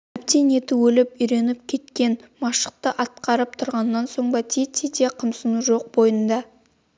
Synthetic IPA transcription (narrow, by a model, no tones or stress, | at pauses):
æpt̪enet̪ɪwɵlɪpʏjɾe̞nɪp̚kʲʰe̞t̪kʲe̞nmɑʃə̥q̚t̪əʔɑt̪̚qɑɾəp̚t̪ʰʊɾʁɑnːɑnso̞ɴbɑt̪ʰit̪ʰit̪eqʰəmsənuʒo̞q̚bo̞jənd̪ɑ